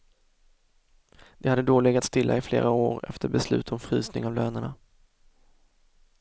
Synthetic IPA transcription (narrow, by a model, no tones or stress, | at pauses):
d̪̥ɛhad̪ːəd̪oːlɛɡat̪st̪ɪlːa̰ɪflḛːɾaoːɾɛ̰ft̪ʰəɾbɛslʉ̟̰ːt̪ʰɔmfɾyːsnɪŋavløːnəɳa